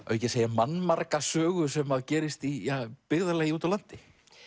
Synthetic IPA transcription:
œ̰ɥjcɛseːjamanmaɾkasœːɣʏsɛmːaðcɛːɾɪst̪ijaːpɪɣðalɛɣɪuːt̪awlan̥t̪ɪ

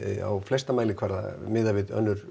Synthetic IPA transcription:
a̰wflɛst̪amaːjlɪkʰvaɾða̰mɪːðavɪðœ̰nːʏɾ̥

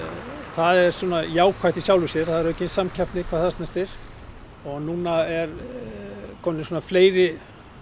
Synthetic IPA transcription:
θaðɛɾ̥suːnajaːwkʰvajht̪isjaːwlʏsjɛɾ̥θaðɛɾœːhcɪnsamcʰapt̪nɪkʰvaːðθast̪nast̪ɪɾ̥ | ɔɣnuːnaɛɾ | kʰɔːmnɪsuːnafleːjɾɪ

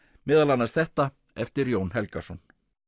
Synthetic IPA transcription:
mɪːðalanːast̪θɛht̪a | ɛft̪ɪɾjoːwnɦɛlkasɔn

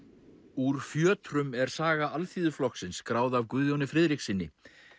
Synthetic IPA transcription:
uɾ̥fjœːt̪ɾʏmɛɾ̥saːɣaʔalθiːðʏflɔksɪnskɾaːwðavkʏðjɔwnɪfɾɪðɾiksɪnːɪ̰

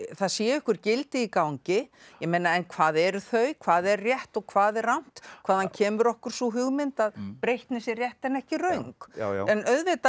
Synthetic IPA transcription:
θaðsjɛːʏhkʏɾ̥cɪlt̪ɪikawɲcɪjɛmejnaɛnkʰvaːðɛɾʏθœɥkʰvaːðɛrrjɛht̪ɔɣkʰvaːðɛrawn̥t̪kʰvaːðhancʰɛːmʏɾɔhkʏɾ̥sɔɦʏɣmɪnt̪aðpɾejht̪nɪsɪrjɛht̪ɛnɛhcɪrœɥŋkɛnœðvɪt̪a

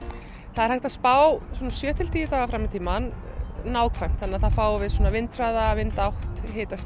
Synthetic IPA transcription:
θaðɛɾ̥hajht̪aðspaːwswɔnasjœːt̪ʰɪlt̪ʰiːjɪt̪aːɣafɾamːɪt̪ʰiːmanːaːwkʰvam̥t̪θanːaðθaðfaːwvɪðswɔːnavɪnt̪ɾaːðaːvɪnt̪awht̪heːjt̪as

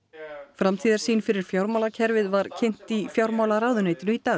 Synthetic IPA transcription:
fɾamt̪ʰiːðaɾsiːnfɪɾɪɾ̥fjawɾmawlacʰɛɾvɪðvaɾ̥cʰejn̥t̪ifjawɾmaːwlaɾaːwðʏneːjt̪ɪnʏit̪aː

